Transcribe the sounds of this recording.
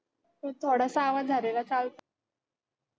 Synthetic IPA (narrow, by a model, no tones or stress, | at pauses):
mət̪ʰoɽasaːʋad͡zʱəɾelat͡salt̪